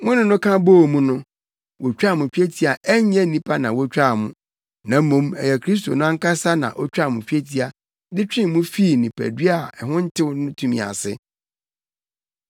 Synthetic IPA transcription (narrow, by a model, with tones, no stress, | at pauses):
mʊ̃˦nʊ̃˦nʊ̃˦kʰã˦bo˦˨mũ˦nʊ̃˦ | wo˨t͡ɕᶣa˦˨mʊ̃˨fᶣe˦tʰi˨a˨ʔɛ˦ɛ̃˦nĩ˦pʰa˦nã˨wɔ˦t͡ɕᶣɾa˦˨mʊ̃˦ | nã˨˦mõ˦mɛ˨jɛ˨kʰɾi˦s̬to̰˨nʊ̃˦a˦ŋ̩˦kʰa˦sa˦nã̰˨ʔɔ˦t͡ɕᶣa˦˨mʊ̃˨fᶣi˦e˦tʰi˦a˨ | dɪ˦t͡ɕᶣɪ̃˦m˨mʊ̃˦fi˦˨nĩ˨pʰæ̰˨dɥa˨ɛ˨hʊ̃˦n̩˦tʰɪ˦wnʊ̃˦tʰũ˦mḭ̃˨a̰˨sɪ̰˦